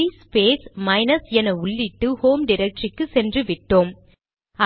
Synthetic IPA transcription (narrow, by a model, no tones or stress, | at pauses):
ispeːsmɐɪnɐsɛnɐʊɭːɪʈːɯhoːmɖɪɾɛk̚ʈrɪkːɯsɛndrɯʋɪʈːoːm | ɐ